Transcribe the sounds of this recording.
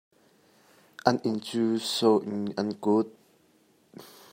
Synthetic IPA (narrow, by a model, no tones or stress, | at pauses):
ʔɐnʔɪnt͡suːsoʔnʔɐnkʊt̪̚